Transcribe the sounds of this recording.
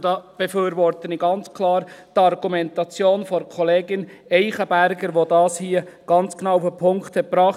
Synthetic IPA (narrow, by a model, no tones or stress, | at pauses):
d̥ɑːb̥ɛføːɾʋɔɾtəniɡɑnt͡skʰlɑːɾtɑɾɡ̥umɛntɑt͡sjoːnfɔɾkʰɔleːɡɪnɛɪχəbæɾɡəɾʋodɑːshiːəɡ̥ɑnt͡sknɑwufəpʰʊŋkthɛt̚pbɾɑːχ